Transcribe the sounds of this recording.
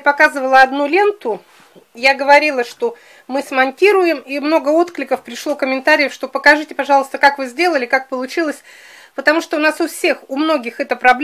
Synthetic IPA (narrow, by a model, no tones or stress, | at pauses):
pɐkazɨvəlˠəɐd̪nulʲe̞nt̪ʊ | jaɡəvɐɾʲilˠəʂt̪o̞ | mɨsmɐnʲtʲiɾʊjɪmimno̞ɡəot̪klʲɪkəfpɾʲɪʂlˠo̞kəmʲɪnt̪aɾʲɪjəfʂt̪o̞pəkɐʐɨtʲɪpɐʐɑlˠst̪əkakvɨzʲdʲe̞lˠəlʲɪkak̚pəlˠʊt͡ɕilˠəsʲ | pət̪ɐmuʂt̪oʊnasʊfsʲe̞xʊmno̞ɡʲɪxɛt̪əpɾɐblʲ